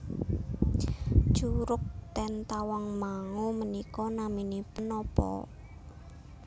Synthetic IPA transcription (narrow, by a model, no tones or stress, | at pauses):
ʒ̥uɾʊk̚t̪ɛnt̪awaŋmaŋumənikɔnaminipənɔpɔ̰